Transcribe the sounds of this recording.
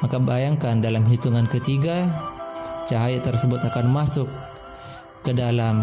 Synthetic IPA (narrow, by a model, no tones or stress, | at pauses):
makabajaŋkandalamɦit̪uŋankət̪iɡa | t͡ʃaɦajit̪ərsəbʊt̪akanmasʊkː | ədalam